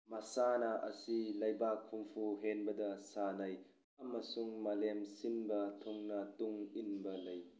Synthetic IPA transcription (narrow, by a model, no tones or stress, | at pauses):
mɐsanɐʔɐ̰silɐjbakʰːumpʰuɦenbɐdɐsanɐj | ɐmɐsuŋmɐlemsinbɐtʰuŋnɐtuŋinbɐlɐj